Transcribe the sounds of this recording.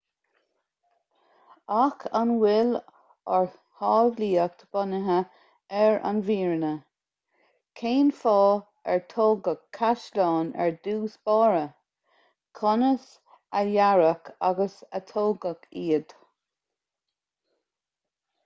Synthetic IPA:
akʰanwɪl | ɔɹ | hɑːvliːək̚t̪ʰəb̥ɔnəɦə | ɛɹa̰nviːɹnə | kʰeːnfɑː | ɛɹt̪ʰoːɡəkʰːaʃlɑːnɛ̰ɹd̪uːsb̥ɑːɹə | kʰɔnəs | əjaɹəkʰa̰ɡəsət̪ʰoːɡəkʰiːəd̪̥

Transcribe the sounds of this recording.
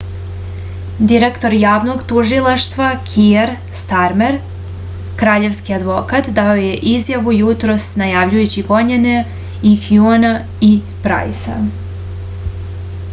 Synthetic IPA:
d̪iɾe̞kt̪o̞ɾjaːʋno̞ɡt̪uʒilˠaʃt̪ʋakʰieɾ | st̪aɾme̞ɾ | kɾaːʎe̞ʋskiad̪ʋo̞kat̪d̪ao̞je̞ʔizjaʋujut̪ɾo̞snajaːʋʎujut͡ɕiɡo̞ɲene | ixjuona | i | pɾa̰jsa̰

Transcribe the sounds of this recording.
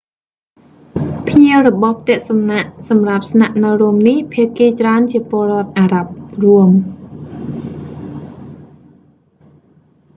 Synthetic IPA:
pʰniəwrɔɓɑhp̚ʰt̪ɛ̆əʔsɑmnaʔsɑmrap̚snaʔnɨwruəmnihpʰiəʔkeːt͡ɕraənt͡ɕiəpŏəlrŏət̪̚ʔaːɾap̚ruəm

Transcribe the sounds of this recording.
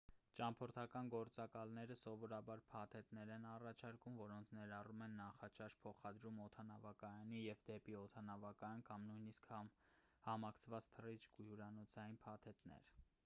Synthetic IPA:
t͡ʃɑmpʰɔɾt̪ʰɑkɑnɡɔɾt͡sɑkɑlnɛɾəsɔvɔɾɑbɑɾpʰɑt̪ʰɛt̪nɛɾɛnɑrɑt͡ʃʰɑɾkumvɔɾɔnt͡sʰnɛɾɑrumɛnːɑχɑt͡ʃʰɑʃpʰɔχɑd̪ɾumɔt̪ʰɑnɑvɑkɑjɑnijɛvd̪ɛpiɔt̪ʰɑnɑvɑkɑjɑnkɑmnujnisk | hɑmɑkʰt͡sʰvɑt͡st̪ʰərit͡ʃʰkujuɾɑnɔt͡sʰɑjinpʰɑt̪ʰɛt̪nɛ̰ɾ

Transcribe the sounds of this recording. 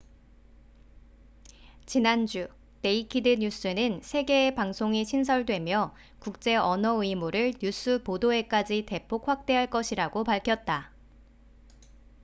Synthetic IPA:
t͡ɕinand͡ʑu | ne̞ikʰidɯɲus͈ʰɯnɯnsʰe̞ɡe̞ːpaŋsʰoŋiɕʰins̬ʰʌɭdwe̞mjʌ | kuk̚t͡ɕ͈e̞ʌnʌɯimuɾɯɭɲus͈ʰɯpodoe̞k͈ad͡ʑite̞pʰok̚ɸwak̚t͈e̞ɦaɭk͈ʌɕʰiɾaɡopaɭkʰjʌt̚t͈a

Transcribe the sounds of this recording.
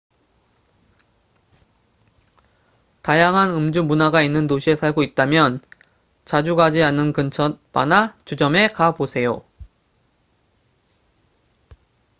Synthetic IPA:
tajaŋɦanɯmd͡ʑumunaɡainːɯntoɕʰie̞sʰaɭɡoit̚t͈amjʌn | t͡ɕad͡ʑuɡad͡ʑianːɯnkɯnt͡ɕʰʌt̚p͈a̰nat͡ɕud͡ʑʌme̞kabosʰe̞jo

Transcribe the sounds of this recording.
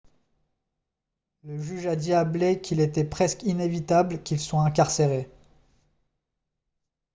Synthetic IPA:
ləʒyʒad̪iablɛkʰilet̪ɛpχɛskinevit̪ablkʲilswaɛ̃k̬aʁseʁe

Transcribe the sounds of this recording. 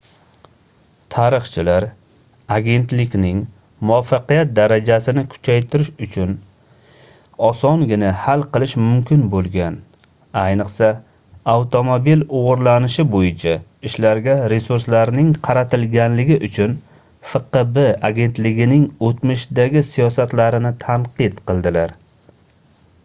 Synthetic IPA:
t̪ʰaɾɨχt͡ʃʰɪlaɾ | aɡʲe̞nt̪lɪkʲnɪŋ | mʊafːɑqijat̪̚d̪aɾad͡ʒasɪnɪkʰʊ̥t͡ʃʰajt̪ʰɪɾɪʃʊt͡ʃʰʊn | ɒsɒŋɡʲɪnahalˠqɨlˠɪʃmʊmkʲʰɪnbolˠɡʲan | ajnɨqsa | awt̪ʰomobiloʁʊɾlanɪʃɪbojɪt͡ʃʰaɪʃlaɾɡʲaɾe̞suɾslaɾnɪŋqʰɑɾat̪ʰɪlɡʲanlɪɡʲɪʔʊt͡ʃʰʊn | fɨqebeaɡʲe̞nt̪lɪɡʲɪnɪŋot̪mɪʃd̪aɡʲɪsijɒsat̪laɾɪnɪt̪ʰanqɨt̪qɨlˠd̪ɪlaɾ

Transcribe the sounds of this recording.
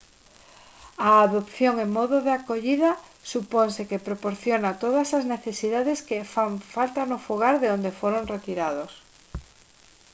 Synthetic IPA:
aːðopθjoŋeŋmɔðoðeakoʎiða | suponsekepɾopoɾθjonat̪oð̞asazneθesiðaðeskefaɱfalt̪anofoɣ̞aɾðeond̪efoɾonret̪iɾaðos

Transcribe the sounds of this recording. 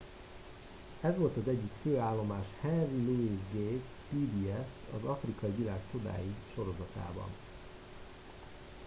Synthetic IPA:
ɛzʋo̞lt̪ɒzɛɟːykføːaːlːo̞maːʃhɛnriluizɡeːt̪spiːd̪iɛsɒ̰zɒfrikɒjivilaːkt͡ʃo̞d̪a̰ːjiʃo̞ɾo̞zɒt̪a̰ːbɒ̰n

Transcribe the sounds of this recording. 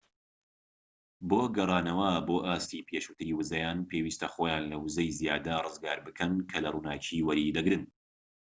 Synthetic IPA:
boːɡɐrˤɑːnɐwɐboːʔaːst̪ipʰjeʃuːt̪ʰɨɾiːwɨzɐjaːnpʰeːwiːst̪ɐxoːjaːnlɐwɨzɐjzijaːd̪ɐrɨzɡaːɾbɨkʰɐnkʰɐlɐruːnaːt͡ʃʰiːwɐɾid̪ɐɡɾɨn

